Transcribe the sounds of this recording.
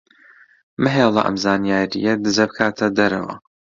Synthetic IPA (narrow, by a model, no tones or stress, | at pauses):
mɨɦeːlˠɐ̰ʔɐ̰mzaːnijaːɾḭjɐd̪ɨzɐbɨkʰaːt̪ʰɐd̪ɐɾɐ̰wɐ̰